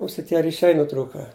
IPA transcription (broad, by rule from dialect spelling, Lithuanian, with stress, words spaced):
ˈʊsʲɪ ˈtʲiɛ rʲɪˈʃʲɛɪ nʊˈtruːkɐ